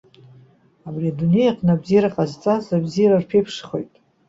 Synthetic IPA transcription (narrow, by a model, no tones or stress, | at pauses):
abriadune̞jaqʼnabzijɾaqʼazt͡sʼazabzijɾarpʰejpʰʂχo̞̰jtʼ